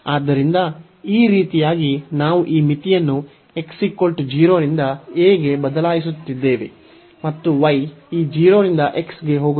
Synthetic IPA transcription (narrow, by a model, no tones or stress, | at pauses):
aːd̪ːɐɾind̪ɐ | iːɾiːt̪ijaːɡinaːʋuʔiːmit̪ijɐnːu | e̞ksikolʈd͡ʒiːɾo̞ːɾind̪ɐeːɡe̞bɐd̪ɐlaːjis̬ut̪ːid̪ːe̞ːʋe̞̰ | mɐt̪ːuʋɐjiːd͡ʒiːɾo̞ːɾind̪ɐʔe̞ksɡe̞ɦoːɡu